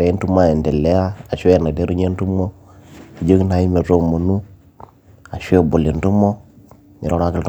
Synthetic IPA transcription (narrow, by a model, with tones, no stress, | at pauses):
ɾe˨i˦n˦tu˦ma˦e˨nde˨le˦a˦a˨ʃe˦˨na˨de˦ɾu˦ɲe˦n˦tu˦mo˦ | i˨d͡ʒə˦kna˨˦ji˦me˨ɾo˦˨mo˨nu˦ | a˨ʃe˦˨bo˨li˨ntu˦mo˦ | mi˨ɾo˦ɾa˦ki˦lt